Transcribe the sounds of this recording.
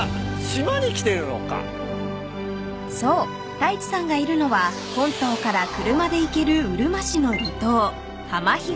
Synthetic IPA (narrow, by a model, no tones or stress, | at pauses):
ɕimaɲ̟ikʲi̥t̪e̞ɾɯ̟no̞̰ka̰ | so̞ː | t̪ait͡ɕi̥sãŋɡaiɾɯ̟no̞βa | hõ̞nt̪o̞ːkaɾakɯ̟ɾɯ̟mad̪e̞ike̞ɾɯ̟ɯɾɯ̟maɕino̞ɾʲit̪o̞ː | hamaçi